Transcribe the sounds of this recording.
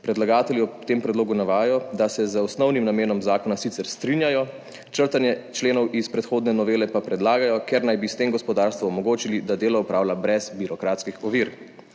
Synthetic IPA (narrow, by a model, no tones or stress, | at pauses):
pɾɛd̪laɡaːt̪ɛljiɔt̪eːmpɾɛd̪loːɡunaʋaːjɔd̪asɛzəɔsnɔwnimnameːnɔmzaːkɔnasit̪sɛɾst̪ɾinjajɔ | t͡ʃəɾt̪anjɛt͡ʃleːnɔwispɾɛt̪xoːd̪nɛnɔʋeːlɛpapɾɛd̪laːɡajɔkɛɾnajbist̪eːmɡɔspɔd̪aːɾst̪ʋɔɔmɔɡoːt͡ʃilid̪ad̪eːlɔɔpɾaːwlabɾɛzbiɾɔkɾaːt̪skixɔʋiːɾ